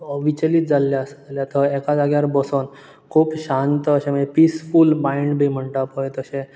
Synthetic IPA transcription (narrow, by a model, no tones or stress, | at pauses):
ʋit͡ɕəliːt̪̚d͡zalːjaəsljat̪ʰəɛkad͡zaɡjaɾbəson | kʰuːpɕant̪əəɕẽməepisfulmaiɳɖbʱim̤əɳʈ̪apojt̪əɕẽ